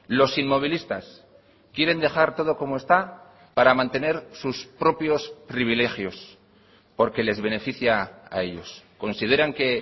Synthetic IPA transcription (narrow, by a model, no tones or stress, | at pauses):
lo̞sinmo̞β̞ilist̪as | kje̞ɾe̞nd̪e̞xaɾt̪o̞ðo̞ko̞moe̞st̪a | paɾamãnt̪e̞ne̞ɾsuspɾo̞pjo̞spɾiβile̞xjo̞s | po̞ɾke̞le̞zβe̞ne̞fiθjaa̰e̞ʎo̞̰sko̞nsið̞e̞ɾaŋke̞